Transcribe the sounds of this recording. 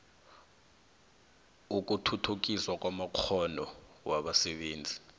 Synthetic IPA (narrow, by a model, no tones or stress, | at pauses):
uk̬ʼutʰutʰuk̬ʼiswakwamaq͡χʰɔnɔwaɓasɛɓeːnd͡zʱi